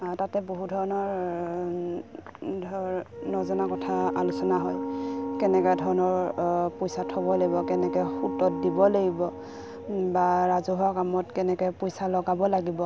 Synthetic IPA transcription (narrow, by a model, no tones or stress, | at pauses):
tatɛboɦudʱɔɹɔnɔɹ | dʱɔnɔzɔnakɔtʰaalusɔnaɦɔjkɛnɛkɔjdʱɔɹɔnɔɹpɔjsatʰɔbɔlaɡibɔkɛnɛkɔɛxutɔt̚dibɔleɡibɔ | baɹazuɦɔkamɔtkɛnɛkɔjpɔjsalɔɡabɔlaɡibɔ